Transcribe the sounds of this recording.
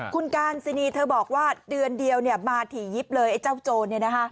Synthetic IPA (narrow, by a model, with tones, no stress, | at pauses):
kʰu˧nkaː˧nsi˧niː˧t̪ʰɤː˧bɔː˨˩k̚waː˥˩dɯ˧əndi˧əwni˥˩əmaː˧t̪ʰiː˩˦ji˦˥p̚lɤː˧jʔa˧˩jt͡ɕaː˥˩wt͡ɕoː˧ni˥˩na˦˥kʰa˦˥ʔ